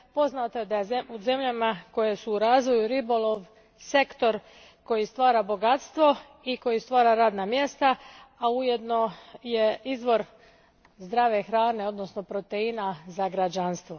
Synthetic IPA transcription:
po̞znat̪ojed̪ajeuze̞mʎamako̞jesuːɾaːzʋo̞juɾibo̞lˠo̞ʋ | se̞kt̪o̞ɾ | ko̞jist̪ʋaːɾabo̞ɡat̪st̪ʋo̞ | iko̞jist̪ʋaːɾaɾaːd̪namje̞st̪aaujed̪no̞je̞izʋo̞ɾ | zd̪ɾaʋe̞xɾaːne̞o̞d̪nosno̞pɾo̞t̪einazaɡɾad͡ʒanst̪ʋo̞

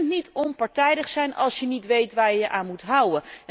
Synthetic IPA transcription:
ntnitɔnpɑɹtɛjdəχsɛjnʔɑ̰lˠsjənitʋejtʋaːɹjjəʔaːnmutɦʌwə

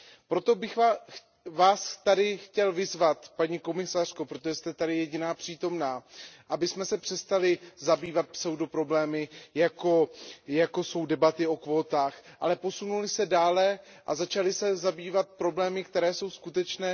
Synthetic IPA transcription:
pɾot̪o̞bɪxva | vaːst̪adɪxcɛlvɪzvat̪paɲiːko̞mɪsar̥ko̞pɾot̪oʒɛst̪ɛt̪adɪjɛɟɪnaːpr̝̥iːt̪o̞mnaːʔabɪsmɛsɛpr̝̥ɛst̪alɪzabiːvat̪̚psowdopɾo̞blɛːmɪjako̞jako̞so̞wdɛbat̪ɪo̞kvo̞ːt̪aːxʔa̰lɛpo̞sunulɪsɛdaːlɛ | ʔa̰zat͡ʃalɪsɛzabiːvat̪̚pɾo̞blɛːmɪkt̪ɛɾɛːso̞wskut̪ɛt͡ʃnɛː

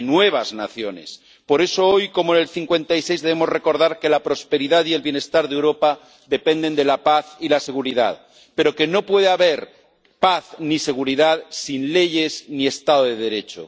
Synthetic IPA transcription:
nwe̞β̞azna̰θjone̞̰s | po̞ɾe̞so̞ojko̞moene̞lθiŋkwẽ̞nt̪aise̞jzðeemo̞zre̞ko̞ɾðaɾke̞lapɾo̞spe̞ɾiðaðie̞lβjene̞st̪aɾðewɾo̞pa | ðe̞pe̞nd̪e̞nd̪e̞lapaθilase̞ɣuɾiða̰ð | pe̞ɾo̞ke̞no̞pwe̞ð̞eaβe̞ɾ | paθnise̞ɣ̞uɾiðaðsinle̞ʝe̞snie̞st̪að̞oðeðeɾe̞t͡ʃo̰

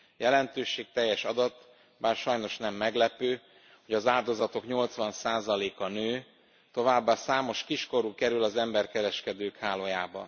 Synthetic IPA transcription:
jɛlɛnt̪øːʃeːk̚t̪ɛjːɛʃɒd̪ɒt̪ː | baːrʃɒjno̞ʃnɛmːɛɡlɛpøː | hoɟɒzaːld̪o̞zɒt̪o̞kɲo̞lt̪sʋɒnsaːzɒleːkɒnøː | t̪o̞vaːbːasaːmo̞ʃkiʃko̞ɾukɛɾylɒzɛmbɛrkɛɾɛʃkɛd̪øːkhaːlojaːbɒ̰

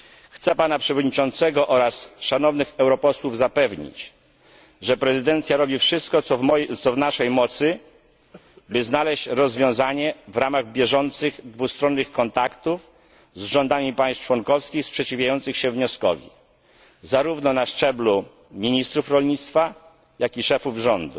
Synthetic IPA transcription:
xt̪sɛpanapʂɛvɔd̪ɲit͡ʂɔnt̪sɛɡɔʔɔɾasʂanɔvnɘxɛwɾɔpɔswuvzapɛvɲḭt͡ɕ | ʐɛpɾɛzɘd̪ɛnt̪sʲjaɾɔbʲifʂɘst̪kɔɔɔjt̪sɔvnaʂɛjmɔt̪sɘ | bɘznalɛɕt͡ɕɾɔzvʲjɔ̃w̃zaɲɛvɾamaɣbʲjɛʐɔnt̪sɘɣd̪vust̪ɾɔnːɘxkɔnt̪akt̪uf | zʐɔnd̪amʲipajst͡ʂwɔnkɔfskʲixspʂɛt͡ɕivʲjajɔnt̪sɘxɕɛvɲɔskɔ̰vʲḭ | zaɾuvnɔnaʂt͡ʂɛblu | mʲiɲist̪ɾufɾɔlɲit̪st̪fa | jakʲiʂɛfuvʐɔnd̪u

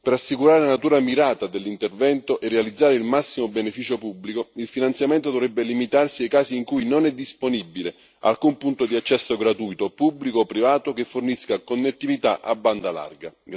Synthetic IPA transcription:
peɾasːikuɾaːɾelanat̪uːɾamiɾaːt̪ad̪elːint̪ervɛnt̪oʔerːealid̪zːaːɾeilmasːimobenefiːt͡ʃopubːlikoilfinant̪sjamɛnt̪od̪ovɾɛbːelimit̪arsiajkaːsiːŋkujnonɛd̪ːisponibːile | a̰lkumpunt̪od̪iat͡ʃːɛsːoɡɾat̪ujt̪opublikoːpːɾivaːt̪ok̟efːorniskakonːet̪ːivit̪aʔabːand̪ala̰rɡa

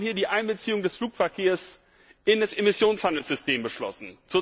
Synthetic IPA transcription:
hiːɐdiːʔaɪnbət͡siːʊŋdɛsfluːkfɛɐkʰeːɐs | ʔɪndasemɪsjoːnshandl̩z̥ʏstʰeːmbəʃlɔ̰sn̩t͡su

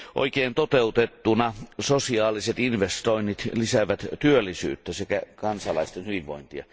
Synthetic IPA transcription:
ʔo̰ikeːnt̪ot̪eut̪et̪ːunɑsosiɑːliset̪inʋest̪oinːit̪lisæʋæt̪t̪yølːˑisy̰ːt̪ːæsekækɑnsɑlɑist̪enhyʋiʋʋo̰int̪iɑ̰

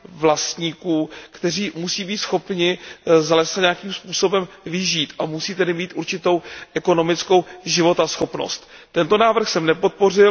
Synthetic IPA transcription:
vlast̪ɲiːkuːkt̪ɛr̝iːmusiːbiːt̪sxo̞pɲɪzalɛssaɲeakiːmspuːso̞bɛm | vɪʒiːt̪ʔamusiːt̪adɪmiːt̪ʔuɾt͡ʃɪt̪o̞wʔɛko̞no̞mɪt͡sko̞wʒɪvo̞t̪asxo̞pno̰st̪t̪ɛnt̪o̞naːvr̩xsɛmnɛpo̞t̪̚po̞rɪl

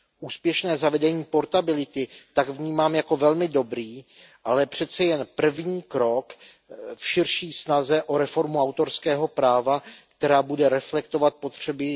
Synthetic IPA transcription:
ʔuːspjɛʃnɛːzavɛdɛɲiːpo̞ɾt̪abɪlɪt̪ɪt̪aɡvɲiːmaːmjako̞vɛlmɪdo̞bɾiː | ʔalɛpr̝̥ɛt̪t͡sɛjɛnpr̩vɲiːkɾo̞k | fʃɪɾʃiːsnazɛʔo̞ɾɛfo̞ɾmuawt̪o̞ɾskɛːɦo̞pɾaːvakt̪ɛɾaːbudɛɾɛflɛkt̪o̞vat̪̚po̞t̪r̝̥ɛbɪ

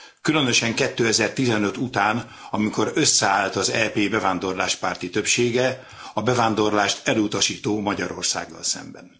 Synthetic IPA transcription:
kylø̞nø̞ʃɛŋkɛt̪ːøːɛzɛrt̪izɛnø̞t̪ut̪aːn | ɒmiko̞ɾø̞sːɛaːlt̪ɒzɛpeːbɛvaːnd̪o̞rla̰ːʃpaːrt̪it̪ø̞pʃeːɡɛ | ɒbɛvaːnd̪o̞rlaːʃt̪ɛlut̪ɒʃiːt̪oːmɒɟɒɾo̞̰rsa̰ːɡːɒ̰lsɛ̰mbɛ̰n

